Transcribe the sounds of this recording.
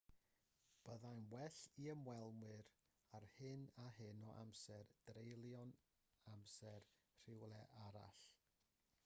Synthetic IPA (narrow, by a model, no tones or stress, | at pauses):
b̥əðajnwɛɬiəmwɛlˠmwɨɾ | arhɨnaɦɨnɔʔa̰msɛrd̥rejlˠjɔn | amsɛr | r̥ɪwlˠɛʔaɾa̰ɬ